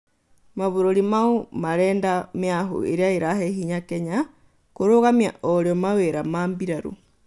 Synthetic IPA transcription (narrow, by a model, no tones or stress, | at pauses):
maβoɾoɾimaomaɾɛːndameaɦo̰ḛɾeaeɾahɛhiɲakɛɲa | koɾoɣamjaʔɔɾeɔmaweɾamaːmbiɾaɾo̰